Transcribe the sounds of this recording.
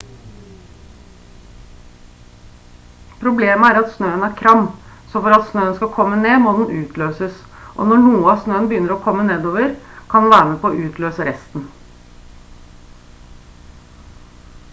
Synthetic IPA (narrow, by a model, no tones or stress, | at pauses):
pʰɾʊbleːməæːɾɑt̪snøːənæɾkʰɾɑm | sɔfɔɾɑt̪snøːənskɑkʰɔmːəneːmoːd̪n̩ʔʉːt̪ʰløːsəs | ʔo̰ːnɔɳuːəɑːsnøːənbəjʏnːəɾɔːkʰɔmːəneːd̪oːʋəɾkʰɑnd̪ʋæːɾəməpʰoːoːʔʉːt̪ʰløːsəɾɛst̪n̩